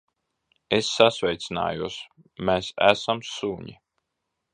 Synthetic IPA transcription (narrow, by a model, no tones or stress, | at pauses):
esːasvʲɛjt̪sina̰ːjuɔs | mæsæ̰samsuːɲi